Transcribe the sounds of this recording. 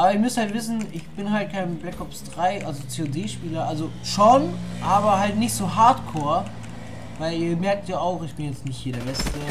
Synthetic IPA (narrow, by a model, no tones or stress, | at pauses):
ʔaːbɐɪçmʏshaltv̥ɪs̬n̩ʔɪçb̥ɪnhalt̚kʰaɪnblɛkɔpsd̥ʁaɪʔalzot͡seːodeːʃpiːlɐʔalzoʃonʔaːbɐɦaltnɪçtz̥oːɦaɐtkʰoːɐ | vaɪliːɐmɛɐk̚tjaːaʊxɪçb̥ɪnjɛt͡stnɪçtjeːɾdeɐɛstə